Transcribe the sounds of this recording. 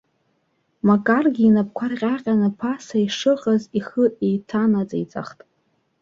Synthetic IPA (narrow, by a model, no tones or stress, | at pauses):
makʼarɡʲiːnap̚ʰkʷʰarqʲʼaqʲʼanɨpʰasaiʂɨqʼaziχəejtʰanat͡sʼa̰jt͡sʼa̰χtʼ